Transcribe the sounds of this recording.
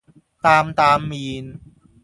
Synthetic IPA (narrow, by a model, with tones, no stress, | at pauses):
t̪aː˧mt̪aː˧mːiː˧n